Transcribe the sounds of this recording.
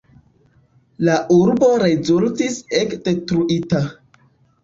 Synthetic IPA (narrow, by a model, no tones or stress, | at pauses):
laʔuɾbo̞ɾezultisekd̥e̞tɾuʔita